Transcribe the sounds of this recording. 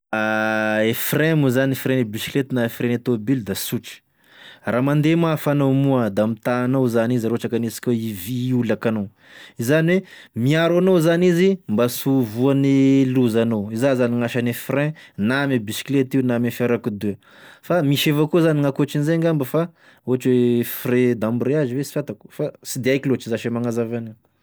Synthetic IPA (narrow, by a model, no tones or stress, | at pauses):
aefrɛ̃muzanefrẽnibisi̥klet̪naefrenat̪obild̪asuʈ͡ʂi̥ | ramand̪emafanowmuəd̪amit̪aːnowzanizɾoʈ͡ʂakanesi̥kʲeiviulakano | izaniwemiaɾanowzanizimbasuvuaneluzanowizazaniŋaʃanefrɛ̃namebisi̥klet̪iunamefeɾakud̪e | famiʃevakuzaniŋakut͡ʃinizeŋɡambəfa | ot͡ʃwefred̪ambɾeazivesi̥fʲat̪aku̥fasid̪eajkilot͡ʃizaʃemaŋazavani